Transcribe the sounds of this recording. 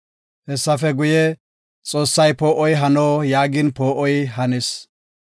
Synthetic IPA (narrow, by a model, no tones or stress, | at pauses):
hɛsːɐfɛɡʊjɛ | t͡sʼo̞ːsːɐjpoːʔɔjɦɐnoːjaːɡɪnpoːʔɔjɦɐnes